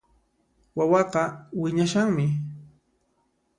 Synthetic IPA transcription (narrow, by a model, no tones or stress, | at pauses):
wawɑqɑwɪɲaʃaŋmɪ